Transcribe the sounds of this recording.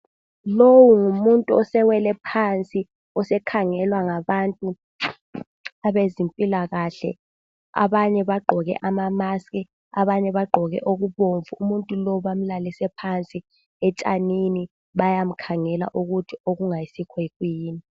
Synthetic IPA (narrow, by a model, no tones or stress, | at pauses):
lowuŋumuntʼuɔsɛwɛlɛpʰant͡sʼi | ɔsɛkʰaŋɛlwaŋaβantʼu | aβezimpʼilaɣaɬɛ̰ | a̰βaɲɛβaɡ͡ǃʱɔɣɛ̰ʔamamaskʼi | aβaɲɛβaɡ͡ǃʱɔɣɛ̰ʔoɣuβoɱvuumuntʼulɔɓam̩lalisɛpʰant͡sʼi | ɛt͡ʃʼa̰nini | ɓajam̩kʰaŋɛla̰ʔuɣutʰioɣuŋajisikʰwekwiːni